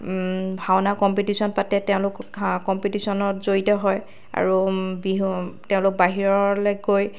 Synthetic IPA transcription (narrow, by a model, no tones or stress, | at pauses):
bʱawnakɔmpitisɔnpatɛtɛʊ̃lʊkkɔmpitisɔnɔtzoɹitɔɦɔj | a̰ɹubitɛʊ̃lʊk̚baɦiɹɔlɛɡoj